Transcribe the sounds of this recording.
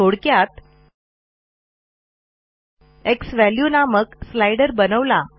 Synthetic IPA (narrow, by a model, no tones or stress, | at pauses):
oɽkjat̪ | eksʋæljunaməkslajɽəɾbənəʋla